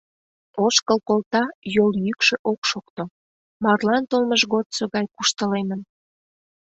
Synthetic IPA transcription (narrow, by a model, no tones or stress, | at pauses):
oʃkəlkolt̪ɑjoljykʃeʔokʃokt̪o | mɑrlɑnt̪olməʒɣot̪soɣɑjkuʃt̪əlemən